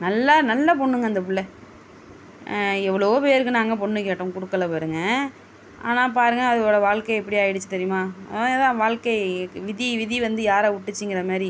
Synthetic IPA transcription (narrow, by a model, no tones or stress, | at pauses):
nɐlːanɐlːɐp̬ɔɳːɯŋɡɐnd̪ɐpʊɭːɛ | ɛʋːɐɭopeːɾɯkːɯnaːŋɡɐp̬ɔɳːɯkeːʈːʊ̃kʊɽɯkːɐlɐpoːɾɯŋɡɐ | a̰ːnãːp̬aːɾɯŋɡɐaɐðɯoːɽɐʋaːɭkɐɛpːɐɽɪaːjɪɽɯt͡ʃːɯt̪ɐɛɾɪjʊmaːðãːʋaːɭkɐɪʋɪðiʋɪðiʋɐnd̪ɯjaːɾaʊʈːɯt͡ʃːɯŋɡɪɾɐmaːɾi